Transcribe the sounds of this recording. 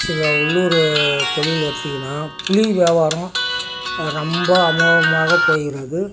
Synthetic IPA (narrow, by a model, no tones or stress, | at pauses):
sɪlːɐʊɭːʊɾɯt̪ɔɭɪlɐɾt̪ːɪŋɡɐnːaːpʊɭiʋjɐːʋaːɾɐ̃ | ɾɔmbɐɐmɐːɣɐmaːɣɐpoːɣɪɾɐðɯ